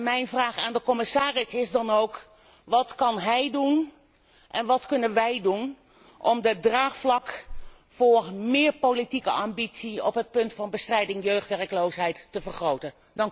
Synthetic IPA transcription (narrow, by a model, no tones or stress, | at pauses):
mɛjnvraːχaːndəkɔmɪsaːrɪsɪzdɑnowk | ʋɑtkɑnɦɛjdun | ʔɛnʋɑtkɵnənʋɛjdun | ʔɔmdədraːχflɑk | fʊːrmɪːrpowlitikə̰ɑmbitsiɔpɦət̚pɵntfɑnbəstrɛjdɪŋjøɥχtʋɛrəklowsɦɛjtːəvərχrowtən | dɑŋ